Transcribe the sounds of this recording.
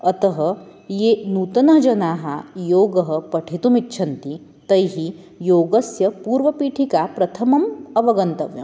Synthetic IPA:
ɐt̪ɐɦɐ̆jeːnuːt̪ɐnɐɦd͡ʒɐnaːɦajoːɡɐɦɐ̆pɐʈʰit̪umitːt͡ʃʰɐnt̪i | t̪ɐjɦi | joːɡɐsjɐpuːɾʋɐpiːʈʰikapɾɐt̪ʰɐmɐmɐʋɐɡɐnt̪ɐʋjɐ̰

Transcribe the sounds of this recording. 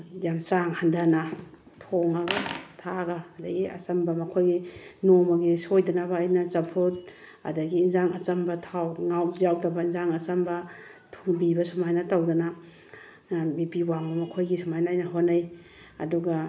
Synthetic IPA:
jamsaŋhandana | tʰoŋaɡatʰaɡaːdɐɡiɐ̰t͡ʃɐmbamɐkʰojɡinomaɡisojdɐnaβaːjnat͡ʃampʰut̚ | a̰daɡiːnzaŋat͡ʃɐmbɐtʰawŋawzawdabainzaŋɐt͡ʃɐmba | tʰuŋbibɐsumajnatawdana | bipiwaŋbamɐkʰojɡisumajnaːjnɐɦonaj | ɐ̰duɡa

